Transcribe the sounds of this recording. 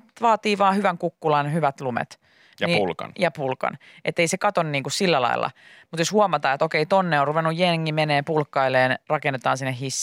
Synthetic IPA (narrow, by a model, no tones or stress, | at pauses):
ʋɑːt̪iːʋɑːhyʋæŋkukːulɑnhyʋæt̪lumḛt̪ | jniːulkɑ̰njɑpulkɑ̰n | ʔet̪ːeisekɑt̪onniːŋkussilːælɑ̰ilːɑ̰ | mut̪joshuomɑt̪ɑːet̪okeit̪onːeonruʋenːujjeŋːimeneːmpulkːɑileːnrɑkenːet̪ɑːnsinːehisː